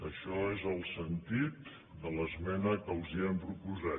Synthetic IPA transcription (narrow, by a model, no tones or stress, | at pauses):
əʃɔezəlˠsənt̪it̪ | d̪ələzmɛnəkəuziəmpɾupuza